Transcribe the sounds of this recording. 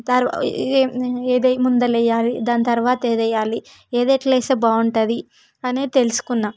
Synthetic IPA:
t̪ɐɾ | eːd̪ɐjmund̪ɐlɛjːaːlid̪aːnit̪ɐɾʋaːt̪ɐeːd̪ɐjːaːli | eːd̪ɐʈleːseːbaːuɳʈɐd̪i | ɐneːit̪e̞lusu̥kunːaː

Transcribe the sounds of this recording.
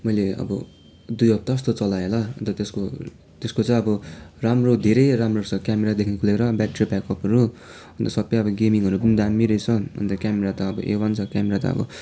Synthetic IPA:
mʌjleʌ̰bʌ̰ | d̪ujʌp̚t̪aʌs̬t̪ot͡sʌlajelaɦʌ̰nt̪ʌt̪esko | t̪eskot͡saĩʌbʌramrod̪ʱeɾʌjɾamrosʰʌkjameɾad̪ekʰnikʰuleɾʌbaʈribakʌpɦʌɾu | ʌ̃nt̪ʌsʌpːejʌbʌɡemiŋɦʌɾupʌnid̪amiɾʌjt͡sʰʌɦʌ̰nt̪ʌkʲameɾat̪ʌːbʌʔḛwant͡sʰʌkameɾat̪ʌ̰ʌ̰bʌ̰

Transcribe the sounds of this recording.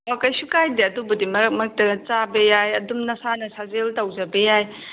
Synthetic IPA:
akɐjsukajdiɐdubɐdimɐɾɐk̚mɐk̚tɐt͡ʃabɐjajɐdumnɐsanɐsazeltawzɐbɐjaj

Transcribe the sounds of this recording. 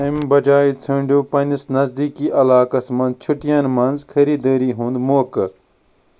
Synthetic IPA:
imbɐd͡ʒaːit͡sʰɐɳɖuːpɐnʲisnɐzd̪iːkiːʔɐlaːkɐsmɐ̃nzt͡ʃʰuʈijɐnmɐnzkʰɐɾiːd̪əːɾiːɦũnd̪moːkɐ

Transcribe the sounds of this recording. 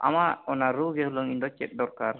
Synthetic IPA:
ʔa̰maʔɔnaɾuɡɛhulɔŋind̪ɔt͡ʃɛ̰t̪̚ˀdɔɾkaɾ

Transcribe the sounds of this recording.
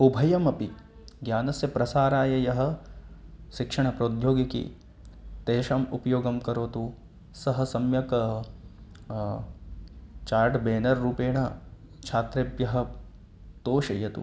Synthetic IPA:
ubʱɐjɐmɐpi | ɡjaːnɐsjɐpɾɐsaːɾaːjɐjɐɦɐ̆ | ʃikʂɐɳ̃ɐpɾoːd̪ʱjoːɡikḭ | t̪eːʃamupɐjoːɡɐmkɐɾoːt̪u | sɐɦɐ̆sɐmjɐkɐ | t͡ʃaːɾʈbeːnɐɾːuːpeːɳɐ | t͡ʃʰaːt̪ɾebjɐɦɐ̆ | t̪oːʃɐjɐt̪ṵ

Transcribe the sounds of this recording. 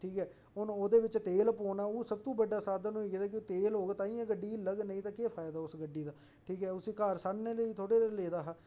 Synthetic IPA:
ʈʰiːkɦɛː | ɦʊnoːd̪eːʋɪt͡ʃt̪eːlpoːnaːuːsəb̚t̪ũːbəɖːaːsaːd̪aːnũːiked̪aːkɪːt̪eːlɦoːɡeːt̪aːĩːɛ̃ːɡəɖiːləɡnəĩːt̪aːkeːpʰaːjd̪aːʊsɡəɖːiːd̪aː | ʈʰiːkɦɛːʊsĩːkaːɾsaːnneːləiːt̪ʰoːɽeːleleːd̪aːɦaː

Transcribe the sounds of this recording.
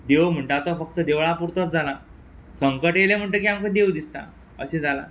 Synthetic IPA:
d̪eʋm̤əɳʈat̪ɔfək̚t̪əd̪eʋɭapuɾt̪at̪̚d͡zala | səŋkəʈjelem̤əɳʈək̬iamkəd̪ewd̪ist̪a̰ | ə̰ɕed͡zala̰

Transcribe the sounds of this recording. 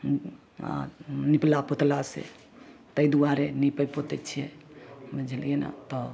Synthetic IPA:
a̰niplapot̪lasḛ | t̪əjd̪uaɾenipəjpot̪ɛt͡ʃʰijebəd͡ʒʱəlena̰t̪ɔ

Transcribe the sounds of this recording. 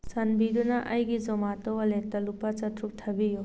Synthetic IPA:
sɐnbidunɐʔʔɐjɡizɔmatɔwɐletɐlupat͡ʃɐtɾuk̚tʰɐbiju

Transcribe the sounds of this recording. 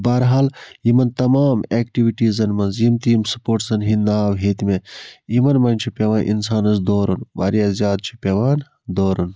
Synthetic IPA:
baːɾɦaːljimɐnt̪ɐmaːmeːkʈiʋiʈizɐnmɐnzjimt̪iːmsɐ̥poːɾʈsɐnɦinnaːʋɦeːt̪imeimɐnmɐnʲt͡ʃʰipʲeʋaːnʔḭnsaːnɐsd̪oːɾɐnʋa̰ːɾjaːzjaːd̪̚t͡ʃʰi̥pʲeʋaːn | d̪oːɾɐn

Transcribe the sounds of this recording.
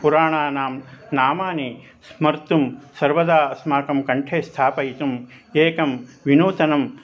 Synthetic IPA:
puɾaːɳaːnaːmnaːmaːni | smɐɾt̪umsɐɾʋɐd̪aːɐsmaːkɐmkɐɳʈʰeːst̪ʰaːpɐjt̪um | eːkɐmʋinuːt̪ɐnɐm

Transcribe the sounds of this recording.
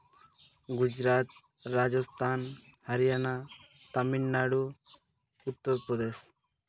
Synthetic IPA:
ɡud͡ʒɾaːt̪̚ | ɾaːd͡ʒɔst̪ʰaːnhəɾijaːna | t̪ɐminːaɽu | ut̪ːəɾpɾɔd̪eːs

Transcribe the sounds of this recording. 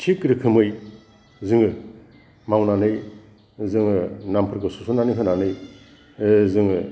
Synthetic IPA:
tʰikɾikʰɯmɯj | zɯŋɯ | mawnanɯj | zɯŋɯnampʰɯɾkɯsusʰunanɯɦɯnanɯj | zɯŋɯ

